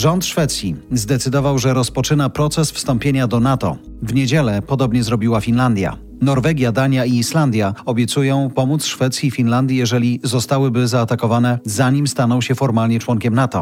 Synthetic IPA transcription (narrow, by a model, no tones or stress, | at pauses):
ʐɔnt̪ʂfɛt̪sʲjizd̪ɛt̪sɘd̪ɔvawʐɛɾɔspɔt͡ʂɘnapɾɔt̪sɛsfst̪ɔmpʲjeɲad̪ɔnat̪ɔ̰ | vɲed͡ʑɛlɛpɔd̪ɔbɲɛzɾɔbʲiwafʲinland̪ʲja̰ | nɔɾvɛɡʲjad̪aɲjaiːʂland̪ʲjaɔbʲjɛt̪sujɔ̃w̃pɔmut̪sʂfɛt̪sʲjifʲinland̪ʲjijɛʐɛlʲizɔst̪awɘbɘzaːt̪akɔvanɛzaɲimst̪anɔwɕɛfɔɾmalɲɛt͡ʂwɔŋkʲɛmnat̪ɔ̰